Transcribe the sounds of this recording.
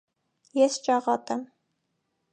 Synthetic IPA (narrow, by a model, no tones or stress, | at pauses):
jɛst͡ʃɑʁɑt̪ʼɛm